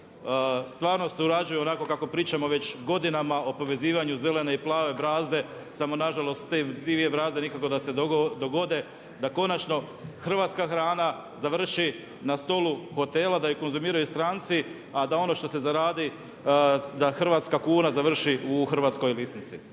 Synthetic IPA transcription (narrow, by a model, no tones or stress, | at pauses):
st̪ʋaːɾno̞seuɾad͡ʒujuo̞nako̞kakopɾiːt͡ʃamo̞ʋe̞t͡ɕɡo̞d̪inamao̞po̞ʋe̞ziːʋaɲuze̞le̞neiplˠaːʋe̞bɾaːzd̪e̞ | samo̞naʒalo̞st̪t̪ed̪iʋie̞bɾaːzd̪e̞nikako̞d̪ase̞d̪d̪o̞ɡo̞d̪e̞ | d̪ako̞nat͡ʃno̞ | xr̩ʋaːt̪skaxɾaːna | zaʋr̩ʃi | nast̪o̞luxo̞t̪e̞ːlad̪ajoko̞nzumiːɾajust̪ɾaːnt̪si | ad̪ao̞no̞ʃt̪o̞se̞zaɾaːd̪i | d̪axr̩ʋat̪skakuːnazaʋr̩ʃiuxr̩ʋaːt̪sko̞jlisnit̪si